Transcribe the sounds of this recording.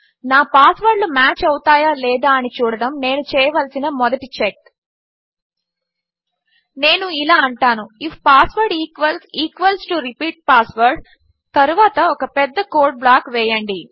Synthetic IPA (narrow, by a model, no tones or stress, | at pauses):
naːpaːsʋɐɾɖlumaːt͡ʃɐwut̪aːjaːlɛːd̪aːɐnit͡ʃuːɽɐɽɐmne̞ːnut͡ʃɛːjɐʋɐlsinɐmɔd̪ɐʈit͡ʃek | ne̞ːnuilaːɐɳʈaːnuifʰpaːsʋɐɾɖiːkʋɐlsiːkʋɐlsʈuɾipiːʈ̚paːsʋɐɾɖ | t̪ɐɾuʋaːt̪ɐɔkɐpɛd̪ːɐkoːɾɖ̚blaːkʋɛːjɐɳɖi